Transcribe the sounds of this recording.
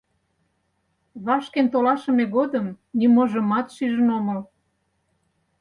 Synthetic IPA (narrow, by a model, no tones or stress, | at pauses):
βɑʃkent̪olɑʃə̆meɣod̪əm | nimoʒə̆mɑt̪ʃyʒənoməl